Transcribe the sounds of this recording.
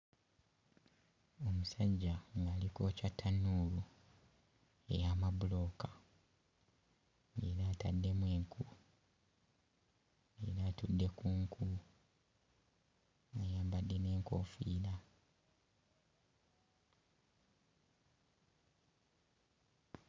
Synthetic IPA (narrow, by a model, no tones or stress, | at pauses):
o̞musaɟːaŋɡaːliko̞ːcatʰːanuːlu | e̞̰jamabulo̞ːka | ḛɾaːtadːe̞mwe̞ːŋkʰu | eɾaːtudːe̞kuːŋkʰu | ajaːmbadːe̞ne̞ːŋko̞̰ːfiːla